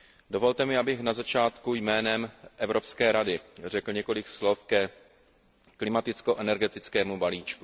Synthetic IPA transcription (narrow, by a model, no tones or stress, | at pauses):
dovo̞lt̪ɛmɪʔabɪxnazat͡ʃaːt̪kujmɛːnɛmʔɛvɾo̞pskɛːɾadɪrɛkl̩ɲɛko̞lɪkslo̞fkɛ | klɪmat̪ɪt͡sko̞ʔɛnɛɾɡɛt̪ɪt͡skɛːmubaliːt͡ʃku